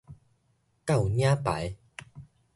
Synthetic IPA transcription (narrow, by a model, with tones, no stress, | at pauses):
ka˥˨wɲjã˦pa̰˨˦j